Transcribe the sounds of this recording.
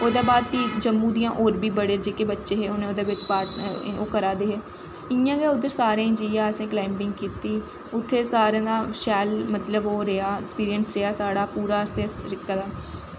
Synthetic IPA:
oːd̪aːbaːd̪̚tiːd͡ʒəmːũːd̪ijãːʔoːɾbʱiːbəɽeːd͡ʒeːkeːbətːʃeːɦeːonẽːoːd̪eːʋɪt͡ʃpaːʈoːkəɾaːd̪eːɦeː | ɪjãːɡeːʊd̪əɾsaːɾãːd͡ʒiːjãːəsẽːklaːɪmpɪ̃ŋɡkiːt̪iː | ʊt̪ʰːeːsaːɾjãːd̪aːʃɛːlmət̪ləboːɾeaːɛkspiːɾijənsɾeaːsaːɽaːpuːɾaːəst̪ẽːsɾɪkt̪aːd̪aː

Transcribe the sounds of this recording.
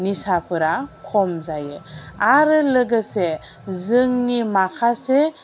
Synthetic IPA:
nisapʰɯɾakʰɔmzajɯaɾɯlɯɡɯse | zɯŋnimakʰase

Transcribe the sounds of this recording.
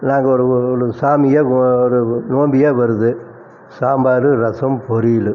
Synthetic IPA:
naːŋɡɐɔɾɯɾɯsaːmɪjɐɔɾɯnoːmbɪjeːʋɐɾɯðɯ | saːmbaːɾɯɾɐsɐmpɔɾɪlɯ

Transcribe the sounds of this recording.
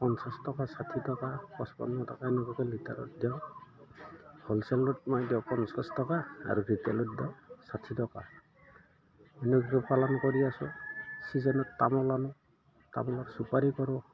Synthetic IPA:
pɔnsastɔkasatʰitɔkapɔspɔ̰nːɔtɔkaɛnɔɡɔkɔlita̰ɾɔ̰t̚djaʊ | hɔlsɛlɔt̚mɔjdawpɔnsastɔkaa̰ɾubʱitɛlɔt̚daʊsatʰitɔka̰ | ɛnɔɡɔkɔpalɔnɔkɔɾiasɔ̰sizɔnɔttamɔlanɔ | ta̰mɔlɔɾsupaɾikɔɾɔ

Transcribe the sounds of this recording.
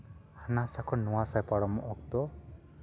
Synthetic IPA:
hanasakʰɔnuwasajpaɽɔmɔʔɔkt̪ɔ

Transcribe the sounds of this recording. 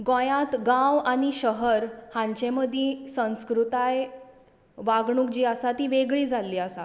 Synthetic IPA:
ɡɔ̃jat̪ɡawaɽ̃iɕəɦəɾhãɲt͡ɕẽməd̪ʱjĩsə̃w̃skɾut̪aj | ʋaɡɳukd͡ʑiːasat̪iːʋeɡɭiːd͡zʱalːiːasa̰

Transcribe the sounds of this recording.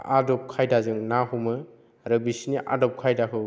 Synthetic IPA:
adɔp̚kʰajdazɯŋnahumɯ | ɾɯbisiniʔa̰dɔp̚kʰajdakʰɯ

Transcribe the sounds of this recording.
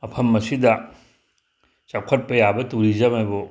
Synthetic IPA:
ɐpʰɐmɐsidɐ | t͡ʃakʰɐt̚pɐjabɐtuɾizɐmajbo

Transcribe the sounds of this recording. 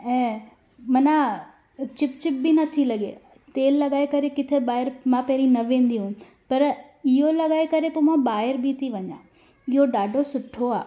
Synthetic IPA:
ɛ̃ː | mɐnã | t͡ɕɪp̚t͡ɕɪp̚binɐt̪ʰilɐɠḛ | t̪eːlːɐɠaːekɐɾekɪt̪ʰebaːɪɾmãpɐɦɾĩnɐʋẽːn̆d̪iɦũ | pɐɾ | ɪɦolɐɠaːekɐɾepoːmãbaːɪɾbʱit̪ʰiʋɐɲã̰ː | ɪɦoɗaːɖʱosʊʈʰoaː

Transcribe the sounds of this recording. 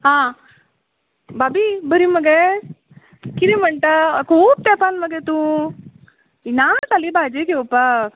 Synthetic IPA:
ɦã | baːbibəɾimɐɡe | kiɾimɐɳʈakʰuːb̚t̪ɛːpanmɐɡet̪ũ | inasalibaːd͡ʒekeopa

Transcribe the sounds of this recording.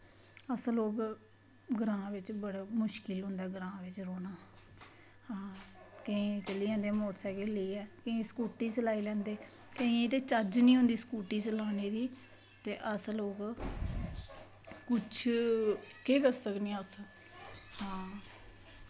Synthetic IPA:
əsloːk | ɡəɾãːʋɪt͡ʃbəɽaːmʊʃkɪlɦʊ̃nd̪aːɡəɾãːʋɪt͡ʃɾoːnaː | hãːkəĩːt͡ʃəliːɛ̃ːnd̪eːmoːt̪sɛːkeːləiːɛːkəĩːskuːʈiːt͡ʃəlaːiːlɛ̃ːnd̪eː | kəĩt̪eːt͡ʃəd͡ʒnĩːɦʊ̃nd̪iːskuːʈiːt͡ʃəlaːneːd̪iː | t̪eːʔəsloːk | kʊt͡ʃʰ | keːkəɾsəknĩːəs | hãː

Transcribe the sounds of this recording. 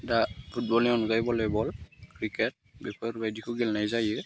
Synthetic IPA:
dapʰut̚bɔlɛɔnkajbɔlɛbɔlkɹikɛt̚bɛpʰaɾbajdikʰuɡɛlnajzajɯ

